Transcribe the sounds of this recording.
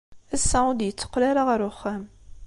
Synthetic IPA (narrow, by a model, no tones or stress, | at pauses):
æsːæd̪jət͡sːə̥qːlæɾaʁəɾuxːæm